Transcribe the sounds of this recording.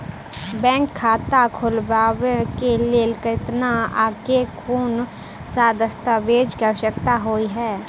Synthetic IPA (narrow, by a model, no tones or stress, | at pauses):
bɛ̃ːŋkʰːaːt̪akʰʊlbaːwekelelɪkət̪naa̰ːkekʰuːn | saːd̪əst̪ʰabeːd͡ʒkəʃəkt̪aɦoiɦɛː